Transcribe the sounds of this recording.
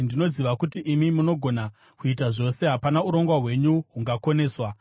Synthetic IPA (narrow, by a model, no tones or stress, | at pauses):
ndino̞ziʋakutiʔimimuno̞ɡʱo̞na | kuitaʐo̞se̞ɦapanauɾo̞ŋɡwaɦwe̞ɲuɦuŋɡako̞ne̞ːswa